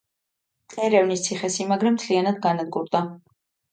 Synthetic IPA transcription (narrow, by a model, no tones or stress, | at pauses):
ɛɾɛvnist̪sʰiχɛsimaɡɾɛmt̪sʰlianad̪̚ɡanad̪̚ɡuɾd̪a